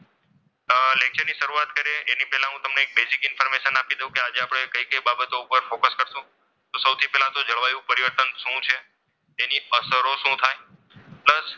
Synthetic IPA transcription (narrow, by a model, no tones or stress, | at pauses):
lek̚t͡ʃəɾniʃəɾuat̪kəɾeenipɛɦlãɦũt̪əmneːk̚besikɪnfəɾmeʃənapid̪ejũkead͡ʒeapɽ̃ekəjkəjbabət̪oupəɾfokəskəɾsũ | t̪osəwt̪ʰipɛɦlãt̪od͡ʒəɭʋajũpəɾiʋəɾt̪ənʃũt͡ʃʰe | t̪eniəsəɾoʃũt̪ʰaj | pləs